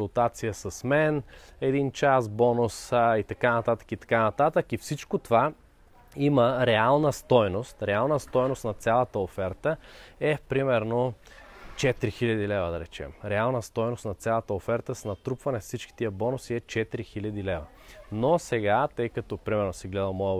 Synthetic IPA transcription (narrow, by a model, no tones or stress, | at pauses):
ʊlˠt̪at̪sijəsɐsmɛnɛd̪int͡ʃasbɔnʊsit̪ɐkanɐt̪at̪ə̥kit̪ɐ̥kanɐt̪at̪əkifsit͡ʃkot̪ova | iməɾɛalˠnəst̪ɔjnost̪ɾɛalˠnəst̪ɔjnost̪nɐt̪sʲalˠɐt̪əofɛɾt̪əɛpɾimɛɾno | t͡ʃɛt̪ɾixilʲɐd̪ilɛvəd̪ɐɾɛt͡ʃɛ̰mɾɛalˠnəst̪ɔjnost̪nɐt̪sʲjalˠɐt̪əofɛɾt̪əsnɐt̪ɾupvɐnɛfsit͡ʃki̥t̪iəbɔnʊsiɛt͡ʃɛt̪iɾixilʲɐd̪ilɛvɐ | nosɛɡat̪ɤjkɐt̪opɾimɛɾnosiɡlɛd̪ɐmɔə